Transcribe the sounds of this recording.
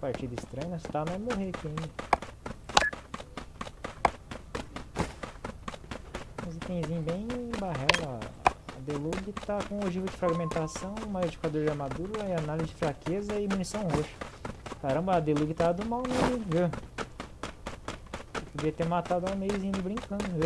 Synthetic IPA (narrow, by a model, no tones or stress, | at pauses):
paɾt͡ʃid̪ɐist̪ɾɐ̃ɲʊnɐsi̥t̪añɛmoɦeɾkẽ | ũzit̪ẽj̃zĩbẽj̃baɦɛlɐ̰ɐ̰d̪eluɡɪt̪akõoʒivʊd͡ʒɪfɾaɡimẽnt̪asɐ̃w̃ũmaed͡ʒi̥kad̪oɾd͡ʒɪamad̪uɾɐianalizɪd͡ʒɪfɾakezɐɪmunisɐ̃w̃ɦoʃʊ̥kaɾɐ̃mbɐad̪eluɡɪt̪ad̪ʊmawnɐiɡɐ | epod͡ʒiɐt̪eɾmat̪ad̪ʊamejzĩɪbɾĩŋkɐ̃nd̪ʊe